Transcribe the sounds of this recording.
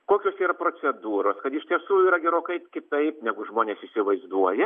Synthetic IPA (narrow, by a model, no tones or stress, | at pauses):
koːkʲoːsiːɾɐpɾoːt͡ssʲɛd̪uːɾoːskɐt̪ɪʃʲt̪ʲiɛsuːiːɾɐɡʲɛɾoːkɐɪkʲɪt̪ɐɪpnʲæɡʊʒmoːnʲeːsɪsʲɪʋɐɪzd̪uɔjɛ